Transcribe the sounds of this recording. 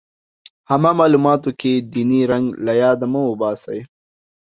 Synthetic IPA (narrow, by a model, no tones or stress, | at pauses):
hamamɑːlumɑːt̪oked̪iniɾaŋɡlajɑːd̪amawʊbɑːsaj